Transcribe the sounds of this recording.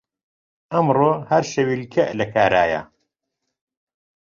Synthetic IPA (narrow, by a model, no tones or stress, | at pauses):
ʔɐmroːhɐɾʃɐwilkʰɐʔlɐkʰaːɾaːjɐ̰